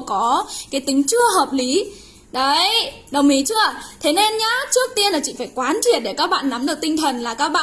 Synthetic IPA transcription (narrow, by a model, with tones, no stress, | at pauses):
kɔ˨˦kaː˨˦jt̪ï˨˦ŋ̟t͡ɕɨ˧əɦəː˨˩p̚li˨˦ | ɗə˨˧˩jɗə˨˩wŋ͡mmi˨˦t͡ɕɨ˧˥ət̪ʰe˨˦ne˧nɲaː˨˦˥t͡ɕɨ˦˥ək̚t̪i˧ənlaː˨˩t͡ɕḭ˧˨faː˧˩jkwaː˨˦nt͡ɕi˨˩ət̚ɗe˧˩kaː˦˥k̚ɓa̰ː˧˨nːa˨˦mɗɨ˨˩ək̚t̪ï˧ŋ̟t̪ʰə˨˩nlaː˨˩kaː˦˥k̚ɓa̰ː˧˨